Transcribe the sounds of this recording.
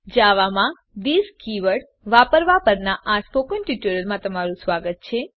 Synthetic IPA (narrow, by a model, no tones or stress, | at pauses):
d͡ʒaʋamã | d̪iskiʋəɽ | ʋapəɾʋapəɾnaʔaspokənʈiʈuɾəɾmãt̪əmaɾũsʋaɡət̪̚t͡ʃʰe